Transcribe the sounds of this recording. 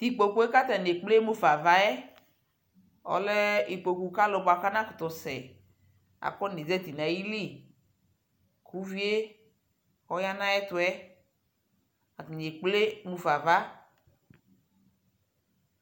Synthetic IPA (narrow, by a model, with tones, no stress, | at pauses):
t̪i˨k͡po˨ku˦e˦ka˦t̪a˨n˨e˨k͡ple˦mu˦fa˨va˦ɛ˦ | ɔ̰˨lɛ˦i˨k͡po˨ku˨ka˦lʊ˨bʊ˨a˨ka˦nã˦kʊ˨t̪ɔ˨sɛ˨ | a̰˨kɔ˦ne˨zɛ˦t̪i˨na˨ji˦li˦˨ | kʰu˦vi˦e˦ | ɔ˦ja˦nã˦ɛ˦t̪ʊ˨ɛ˦ | a˨tn˨e˨k͡ple˦mu˨fa˨va˦